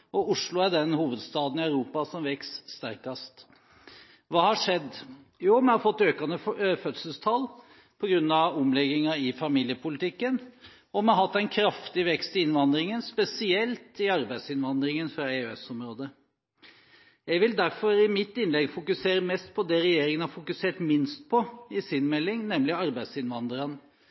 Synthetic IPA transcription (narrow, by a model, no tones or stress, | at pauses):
ɔʊʂlʊæɖɛnhuːʋəd̪st̪ɑːd̪n̩ɪœʉɾuːpɑsɔmʋɛksːt̪æɾkɑst̪ | ʋɑːhɑʂɛd̪ː | juːmɛhɑɾfɔt̪ːøːkɑnəfœt̪səlst̪ʰɑlː | pʰɔɡɾʉnːɑʋɔmlɛɡɪŋɑɪfɑmiːljəpʰʊlɪt̪ʰɪkːən | ɔmɛɦɑt̪ːæɪnkʰɾɑft̪ɪʋɛkst̪ɪɪnʋɑnd̪ɾɪŋənspɛsɪɛlt̪ɪɑɾbæɪd̪sɪnʋɑnd̪ɾɪŋənfɾɑeøɛsɔmɾoːd̪ə | jæɪʋɪld̪æɾfɔɾɪmɪt̪ːɪnlɛɡfʊkʉseːɾəmɛst̪̚pʰɔd̪ɛɾɛjeːɾɪŋənhɑɾfʊkʉseːʈmɪnst̪̚pʰɔɪsɪnmɛlːɪŋnɛmlɪɑɾbæɪsɪnʋɑnd̪əɾɑn